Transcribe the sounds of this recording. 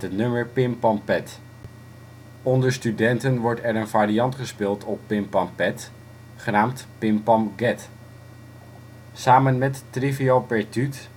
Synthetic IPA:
ɦətnɵməɹpɪmpɑmpɛt | ɔndəɹstydɛntənʋɔɹtɛɹənvaːɾijɑntχəspɪːlˠtʰɔpːɪmpɑmpɛt | χənaːmtpɪmpɑmɡɛt | saːmənmɛtːriviopɛɹtyt

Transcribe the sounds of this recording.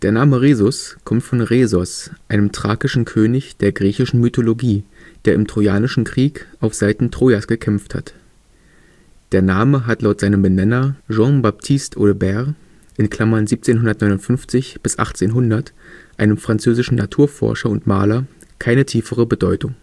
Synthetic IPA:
d̥eːɐnaːməʁeːzʊskʰɔmtfɔnʁeːzɔsʔaɪnəmtʁ̥aːkɪʃn̩kʰøːnɪçd̥eːɐɡʁiːçɪʃn̩mytʰoloɡiː | d̥eːɐɪmtʁ̥ojaːnɪʃn̩kʁ̥iːkʔaʊfz̥aɪtn̩tʁ̥oːjasɡ̥əkʰɛmftha̰t | d̥eːɐnaːməɦatlaʊtz̥aɪnəmbənɛnɐʒɑ̃bap̚tʰɪstʰʔoləbɛʁ | ʔɪnkʰl̥amɐnziːp̚t͡seːnɦʊndɐtnɔʏnʊntfʏnft͡sɪçb̥ɪsʔa̰χt͡seːnɦʊndɐtʔaɪnəmfʁ̥ant͡søːzɪʃn̩natʰuːɐfɔ̰ɐʃɐʊntma̰ːlɐkʰaɪnətʰiːfəʁəbədɔʏtʊŋ

